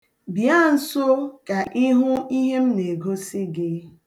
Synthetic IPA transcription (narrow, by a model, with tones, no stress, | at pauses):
bja˦˨n̩˦so˦ka˨ʔi˦ɦʊ˦i˦ɦe˦m̩˦ne˨ɡo˦sɪ˦ɡɪ˦